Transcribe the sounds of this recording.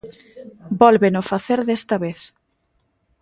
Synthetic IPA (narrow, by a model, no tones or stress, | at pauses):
bɔlβenofaθeɾðest̪ɐβeθ